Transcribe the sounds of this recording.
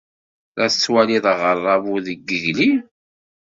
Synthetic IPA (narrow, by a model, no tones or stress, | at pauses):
ɾæət͡sːwæliðˤəʁərˤːɑvuðəɡːəʝli